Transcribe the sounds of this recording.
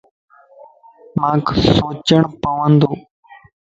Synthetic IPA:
mãːksoːt͡ʃəɳpəʋə̃nd̪oː

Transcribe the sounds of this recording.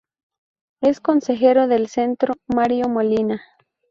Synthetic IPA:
eskonsexeɾoðelsent̪ɾomaɾjomolina

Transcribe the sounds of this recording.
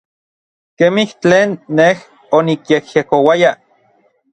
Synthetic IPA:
kemiht͡ɬeːnːeh | onikjekjekowaja

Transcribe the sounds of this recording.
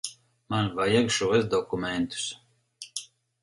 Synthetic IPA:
manvajaɡʃɔvɛzd̪ɔkumɛnt̪u̥s

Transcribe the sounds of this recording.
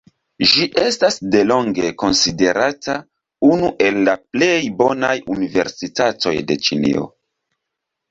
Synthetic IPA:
ʒiʔe̞stasde̞lo̞ŋɡe̞ko̞nside̞ɾata | unuʔe̞lːaple̞jbo̞najunive̞̰ɾsitato̞̰jde̞t͡ʃinḭo̞̰

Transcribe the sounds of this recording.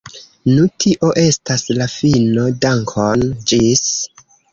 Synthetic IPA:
nutʰiʔo̞ʔe̞staslafino̞daŋkʰond͡ʒis

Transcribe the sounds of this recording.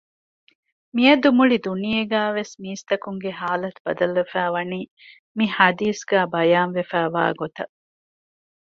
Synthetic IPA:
mijɐd̪umuɭid̪unijeɡæːʋesmiːst̪ɐkuŋɡeɦaːlɐt̪ubɐd̪ɐlʋefæːʋɐniː | mihɐd̪iːsɡæːbɐjaːnʋefæːʋa̰ːɡot̪ɐ

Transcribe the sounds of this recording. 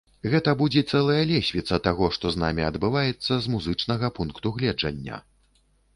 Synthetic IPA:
ɣɛt̪ɐbud͡zʲɛt̪sɛlˠɐjɐlʲɛsʲvʲit̪sɐt̪aɣɔʂt̪ɔzna̰mʲiɐd̪bɨvajɛt̪sːɐzmuzɨt͡ʂnɐɣɐpunkt̪uɣlʲɛd͡ʐɐ̰nʲːɐ̰

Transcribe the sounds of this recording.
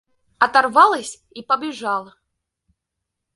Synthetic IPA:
ɐt̪arvalˠɐsʲ | ipɐbʲiʐalˠɐ

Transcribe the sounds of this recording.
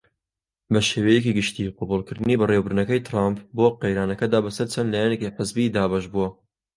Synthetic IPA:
bɐʃeːwɛjɛkiɡɨʃt̪iːqʊbulˠkɨɾd̪ɨniːbɨrewbɨɾnɐkɐjt̪ʰɾampboːqejɾaːnɐkɐd̪aːbɐsɐɾt͡ʃʰɐnlaːjɛnekiħəzbid̪aːbɐʃbuwɐ

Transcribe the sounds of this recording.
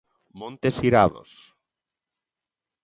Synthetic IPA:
mõnt̪esiɾaðo̰s

